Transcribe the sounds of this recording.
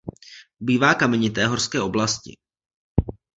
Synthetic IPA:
biːvaːkamɛɲɪt̪̬ɛːɦorskɛːʔo̞blascɪ̰

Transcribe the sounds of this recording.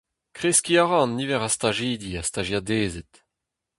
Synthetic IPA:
kʁeskʲiaʁɑ̃nːivɛʁast̪aʒiːd̪iast̪aʒjadeːzɛt

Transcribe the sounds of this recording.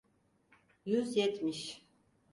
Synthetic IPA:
jyzjɛt̪ʰmiʃ

